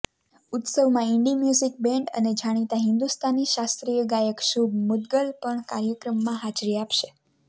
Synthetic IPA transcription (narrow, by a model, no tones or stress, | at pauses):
ʊt̪səʋmãɪɳɖimjuzik̚bẽɳʈə̰ned͡ʒaɽ̃it̪aɦɪnd̪ust̪ʰaniʃast̪ɾijəɡajəkʃubmʊd̪ɡəlpəɳkaɾjəkɾəmːãɦad͡ʒɾiapʃe